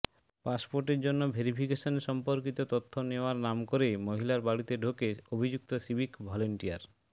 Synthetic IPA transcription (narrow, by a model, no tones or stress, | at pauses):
paspoɾʈeɾd͡ʑonːobʱeɾipʰikeʃoneʃɔmpoɾkit̪ot̪ot̪ʰːoneoaɾnamkoɾemoɦilaɾbaɽit̪eɖʱokeobʱid͡ʑuk̚t̪osibʱikbʱɔleɳʈijaɾ